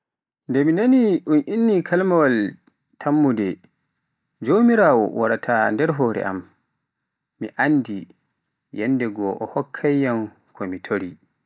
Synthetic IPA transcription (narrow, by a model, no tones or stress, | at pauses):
ndɛminaniʔunʔinːikʰalmawal | tʰamːudɛ | d͡ʒomiɾaːwɔ̰waɾatʰandɛɾɦoːɾɛ̰ʔa̰m | iʔandi | jɛnːdɛɡɔʔɔhɔkʰːajːan | kʰɔmitʰoɾi